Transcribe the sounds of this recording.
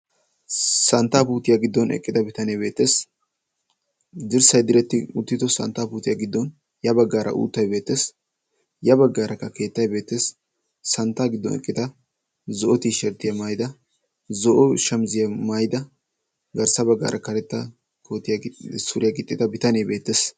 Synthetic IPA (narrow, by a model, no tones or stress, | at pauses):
sɐnt̪ːaːpuːt̪ɪjaɡɪd̪ːɔnɛ̰kʼːɪd̪ɐbɪt̪ɐneːbe̞ːt̪ːe̞ːs | d̪ɪɾsɐjd̪ɪɾɛt̪ːɪʊt̪ːɪd̪ɔsɐ̰nt̪ːaːpuːt̪ɪjɐɡɪd̪ːɔn | jɐbɐɡːaːɾʔɐ̰ʔṵːt̪ːɐjbeːt̪ːeːs | jɐbɐɡːaːɾɐkːɐke̞ːt̪ːɐjbe̞ːt̪ːe̞ːsː | ɐnt̪ːaːɡɪd̪ːɔ̰nɛ̰kʼːɪd̪ɐ | zɔʔɔt̪iːʃɛɾt̪ːɪjɐmaːjd̪ɐ | zɔʔɔʃɐmzɪjɐmaːjɪd̪ɐ | ɡɐɾsɐbɐɡːa̰ːɾʔɐkɐɾɛt̪ːɐ | koːt̪ːɪjasʊɾɪjɐɡɪt̪ʼːɪd̪ɐbɪt̪ɐneːbe̞ːt̪ːeːs